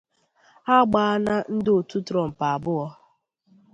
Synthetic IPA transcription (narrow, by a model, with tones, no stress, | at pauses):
a˦ɡ͡ba˨a˦na˦n̩˦do˨tu˦tɾɔ˨m̩˨pa˨a˨bʊ˦ɔ˦